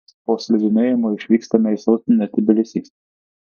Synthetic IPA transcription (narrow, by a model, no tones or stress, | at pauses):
poːsʲlʲɪd̪ʲɪnʲeːjɪmoːɪʃʲʋʲiːkst̪ɐmʲɛɪsɐʊt̪ʲnʲɛt̪ʲɪbʲɪlʲɪsʲiːs